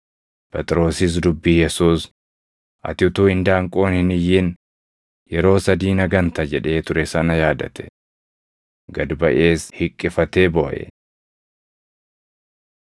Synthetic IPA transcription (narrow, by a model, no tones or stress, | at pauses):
pɛt̪ʼɾo̞ːsɪs̬d̪ʊbːijɛsuːs | ʔɐ̰t̪ɪʊt̪uːɪnd̪aːŋkʼo̞ːnhɪnɪjːɪn | jɛɾo̞ːsɐd̪iːnɐɡɐnt̪ɐd͡ʒɛᶑe̞ːt̪ʊɾɛsɐnɐjaːd̪ɐt̪ɛ̥ | ɡɐd̪bɐʔe̞ːshɪkʼːɪfɐt̪e̞ːbɔːʔɛ̰